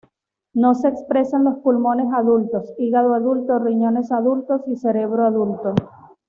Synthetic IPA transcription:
no̞se̞ːkspɾe̞sanlo̞spulmõ̞ne̞saðult̪o̞siɣaðoaðult̪oriɲo̞ne̞saðult̪osise̞ɾe̞β̞ɾoaðult̪o̞

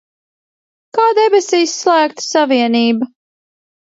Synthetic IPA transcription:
kaːd̪ɛbesiːsːlˠæːkt̪saviɛniːba

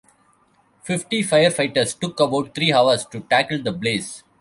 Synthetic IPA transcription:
fɪfʈifaɪəɾfaɪʈəɾsʈʊkɐbaʊʈ̚t̪ʰɾiːɦaʊʋəɾsʈuʈækəld̪ɐbleːs

